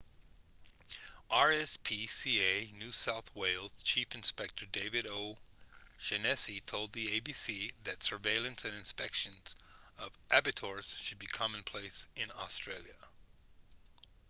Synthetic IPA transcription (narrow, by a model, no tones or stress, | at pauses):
ʔɑɹɛspʰisieɪnʉsaʊθweɪlˠz̥t͡ʃʰifɨ̃n̩spɛk̚tʰə˞deɪvɨɾoʊʃɨnɛsitʰoʊlˠd̪̚ðieɪbisiðɨtsə˞veɪlˠɨ̃nsɨ̃nɨ̃nspɛkʃɨ̃nz̥ʌvʔæbɨtʰɔɹz̥ʃɨd̚bikʰɑmɨ̃npʰl̥eɪsɨ̃nɔ̰stɹ̥eɪlˠjɨ